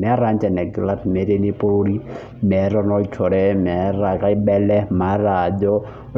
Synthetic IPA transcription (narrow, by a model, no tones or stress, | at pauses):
mɛɾand͡ʒɛnɛɡlatʰmeɾenipoɽi | mɛɾɔnɔitʰɔɽɛmɛɾakaibɛlɛmaɾad͡ʒɔ